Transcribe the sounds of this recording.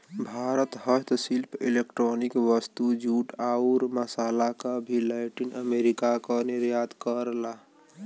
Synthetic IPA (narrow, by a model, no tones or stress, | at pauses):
bʱaɾət̪hət̪silpʰilekʈɾonikʋəst̪ud͡ʒuʈauɾməsalakəbʱilaɪʈinəmeɾikakəniɾjat̪kəɾla